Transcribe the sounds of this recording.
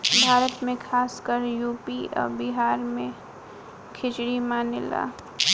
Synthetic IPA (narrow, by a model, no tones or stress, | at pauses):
bʱaːɾət̪mẽkʰaːskəɾjuːpiɔ̰ːɾbɪɦaːɾmẽ | kʰɪt͡ʃɽimanɪla̰ː